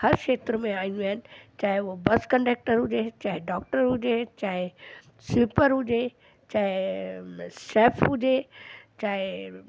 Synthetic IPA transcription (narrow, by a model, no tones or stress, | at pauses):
hɐɾʃeːt̪ɾmẽaːĩnd̪uaːɦɪnɪ̆t͡ɕaːɦeʊɦobɐskə̃ɳɖeːk̚ʈəɾɦʊd͡ʑet͡ɕaːɦɪɖɔːk̚ʈəɾɦʊd͡ʑet͡ɕaːɦɪ | suːpəɾɦʊd͡ʑe | t͡ɕaːɦe | seːfʰɦʊd͡ʑet͡ɕaːɪ